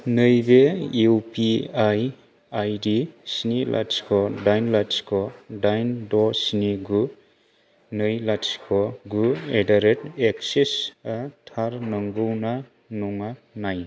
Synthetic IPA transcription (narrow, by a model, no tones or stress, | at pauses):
nɯjbeiwpiaj | ajdisinilʔa̰tskʰɔdajnlaskʰɔdajndɔsiniɡu | nɯjlaskʰɔɡuedaɾeteksisatʰaɾnɯŋɡɯwna | nɔŋanaj